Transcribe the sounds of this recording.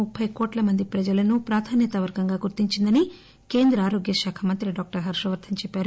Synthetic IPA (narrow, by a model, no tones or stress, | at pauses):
upʰːɐjkoːʈlɐmɐnd̪ipɾɐd͡ʒɐlɐnupɾaːd̪ʰʱaːnjɐt̪ɐʋɐɾɡɐŋɡaːɡuɾt̪iɲt͡ʃind̪ɐni | ke̞ːnd̪ɾɐaːɾoːɡjɐʃaːkʰɐmɐnt̪ɾiɖaːk̚ʈɐɾɦɐɾʂɾɐʋɐɾt̪ʰɐmt͡ʃɛpːaːɾu